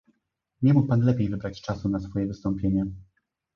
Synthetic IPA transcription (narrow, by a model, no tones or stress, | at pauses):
ɲɛmuk̚panlɛpʲjejvɘbɾat͡ɕt͡ʂasunasfɔjɛvɘst̪ɔmpʲjeɲɛ